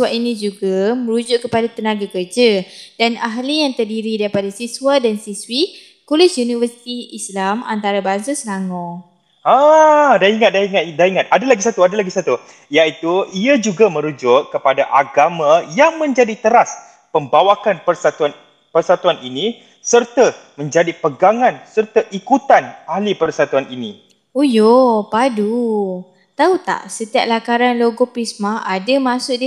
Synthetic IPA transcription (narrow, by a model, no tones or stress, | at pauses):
waʔinĩd͡ʒuɡamə̃ɾud͡ʒʊʔkːəpadat̪ənãɡakərd͡ʒad̥anaɦlijaŋt̪ərdiɾidaɾipadasiswadansiswi | kulɪsjunivərsi̥t̪iislama̰nt̪aɾabaŋsasənaŋɔ̃ | adaiŋat̪̚daiŋat̪daiŋat̪̚adalaɡisat̪uadalaɡisat̪u | jaʔit̪uiad͡ʒuɡamə̃ɾud͡ʒʊʔkəpadaʔaɡamãjaŋmə̃ɲd͡ʒadit̪əɾas | pəmbawakanpərsat̪un | pərsat̪uaninĩ | sərt̪amə̃ɲd͡ʒadipəɡaŋãnsərt̪aʔikut̪anahlipərsat̪uaninḭ̃ | ujopadu | t̪aut̪a̰ʔsət̪ia̰ʔ̚lakaɾanloɡopɾismaadəmãsʊʔdi